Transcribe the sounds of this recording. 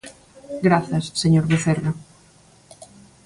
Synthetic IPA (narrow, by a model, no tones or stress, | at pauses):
ɡɾaθɐsːeɲoɾβeθera